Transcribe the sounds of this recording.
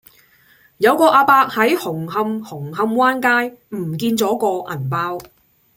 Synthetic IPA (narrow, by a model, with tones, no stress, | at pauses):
jɐ˨˧wkɔː˧ʔaː˧paː˧k̚hɐ˨˥jhʊ˨˩ŋɦɐ˧mhʊ˨˩ŋɦɐ˧mwaː˥nkaː˥jm̩˨˩kiː˧nt͡sɔː˨˥kɔː˧ʔɐ˨˩npaː˧˥w